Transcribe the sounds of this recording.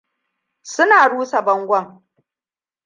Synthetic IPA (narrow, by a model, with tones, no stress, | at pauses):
sʊ˦naː˨ɽuː˦sa˨bɐ˦ŋɡʷɐ˦ŋ